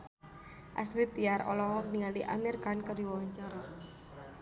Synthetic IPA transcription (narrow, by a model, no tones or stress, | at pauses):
ʔa̰sɾit̪iaɾɔ̰lɔɦɔk̚niŋaliʔa̰mirkankəriwawaɲt͡ʃaɾa